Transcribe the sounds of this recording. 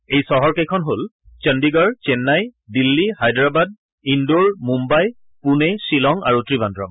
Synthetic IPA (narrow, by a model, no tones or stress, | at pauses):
ejsɔɦɔɹkejkʰɔnɦol | t͡ʃəndiɡɔɹt͡ʃɛnːajdilːihajdɹabad̚ | indoɹmumbaj | punɛsilɔŋa̰ɹutɹibandɹɔm